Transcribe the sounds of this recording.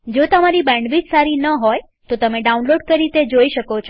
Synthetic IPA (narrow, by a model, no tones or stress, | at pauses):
d͡ʒot̪əmaɾibɛ̃ɳɖʋid͡ʒsaɾinəɦoj | t̪ot̪əmeɖaunloɖkəɾit̪ed͡ʒoiʃəkot͡ʃʰo